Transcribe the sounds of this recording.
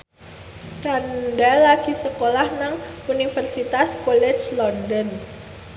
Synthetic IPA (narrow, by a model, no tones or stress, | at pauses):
sɾandalaɡisəkolahnaŋunifərsit̪askɔlɛt͡ʃlɔndɔn